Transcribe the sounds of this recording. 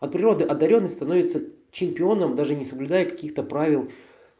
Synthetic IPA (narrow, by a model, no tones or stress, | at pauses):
ɐt̪̚pɾʲɪɾo̞d̪ɨʔɐd̪ːɐɾʲo̞nːəjʲst̪ɐno̞vʲɪt̪sə | t͡ɕɪmʲpʲɪo̞nəmd̪aʐɨnʲɪsəblʲʊd̪ajəkɐ̥kʲixt̪əpɾavʲɪlˠ